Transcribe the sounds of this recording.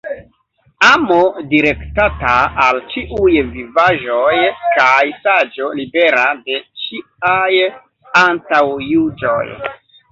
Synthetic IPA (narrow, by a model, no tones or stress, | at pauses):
amodiɾe̞ktataːlt͡ʃiʔujvivaʒo̞jkajsad͡ʒo̞libe̞ɾade̞t͡ʃi | aj | antawjud͡ʒo̞̰j